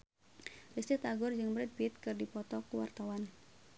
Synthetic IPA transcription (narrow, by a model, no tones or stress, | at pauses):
rist̪it̪aɡʊrd͡ʒɨŋməɾɪt̪̚pit̪̚kɨrdipɔt̪ɔkuwa̰rt̪awan